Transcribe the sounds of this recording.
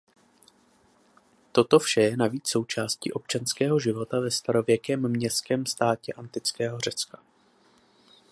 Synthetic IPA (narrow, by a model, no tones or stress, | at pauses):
t̪o̞t̪o̞fʃɛjɛnaviːt͡sso̞wt͡ʃaːscḭːʔo̞p̚t͡ʃanskɛːɦo̞ʒɪvo̞t̪avɛst̪aɾo̞vjɛkɛːmːɲɛstkɛːmst̪aːcɛʔant̪ɪt͡skɛːɦo̞r̝ɛt͡skḁ